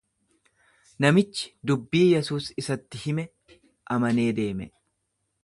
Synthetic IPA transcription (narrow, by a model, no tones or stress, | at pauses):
nɐmɪt͡ʃːɪ̥d̪ʊbːiːjɛsuːsɪsɐt̪ːɪhɪmɛ | ʔɐmɐne̞ːd̪e̞ːmɛ